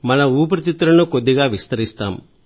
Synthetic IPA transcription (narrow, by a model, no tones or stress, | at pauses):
mɐnɐuːp̬ɾɐt̪it̪ːɾɐnukod̪ːiɡaːʋist̪ɐɾist̪a̰ːm